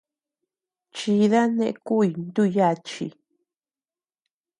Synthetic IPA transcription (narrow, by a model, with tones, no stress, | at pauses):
t͡ʃi˧ða˦nẽ˦ʔku˦i˧˨nd̪u˦˧ja˦˧˨t͡ʃḭ˧˨